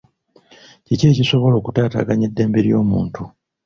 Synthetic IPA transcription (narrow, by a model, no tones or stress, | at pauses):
cice̞ːciso̞βo̞lo̞ːkutaːta̰ːɡaɲe̞dːe̞ːmbeɾjo̞̰ːmṵːntu